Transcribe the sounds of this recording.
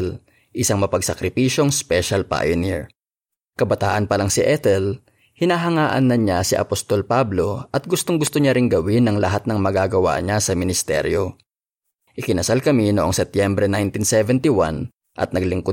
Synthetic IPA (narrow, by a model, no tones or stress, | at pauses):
l | ʔɪsaŋmɐpɐɡ̚sɐkɾɪpiːʃo̞ŋspɛʃɐlpa̰joniɹ | kɐbɐt̪a̰ːʔɐnpɐlaŋsɪʔɛt̪ɛl | hɪnaːɦɐŋaːʔɐ̰nːɐɲasɪʔɐ̰post̪o̞lpablo̞ʔɐt̪̚ɡʊst̪oŋɡʊst̪oɲaɾɪŋɡɐwɪnɐŋlɐɦat̪̚nɐŋmɐɡaɡɐwa̰ɲasɐmɪnɪst̪ɛ̰ɾjo̞ | ʔɪkɪnɐsalkɐminoʔoŋsɛp̚t̪jɛmbɾɛnajnt̪insɛvɛnt̪ɪwan | ʔɐ̰t̪̚nɐɡlɪŋko